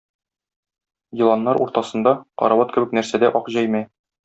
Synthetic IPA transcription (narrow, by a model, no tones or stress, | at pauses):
jĭlˠɑnːɑɾṵɾt̪ɑsɤ̆nd̪ɑqɒ̰ɾɑwɑt̪kɘ̆bɘknæɾsæd̪æʔɒqʑæjmæ